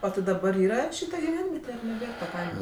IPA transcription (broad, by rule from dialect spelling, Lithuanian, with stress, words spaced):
oː tʲɪ dɐˈbɐr ˈiːrɐ ˈʃʲiːtɐ ɡʲɪˈʋʲɛnʲʋʲiɛtʲɛ ɐr nʲɛˈbʲeːr tɐ ˈkɐɪmɐ